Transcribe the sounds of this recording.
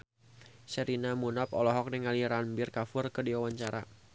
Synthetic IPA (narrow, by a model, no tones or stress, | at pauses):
səɾinamunapɔlɔɦɔk̚nɛŋaliɾanbɪrkafʊrkədiwawaɲt͡ʃaɾa̰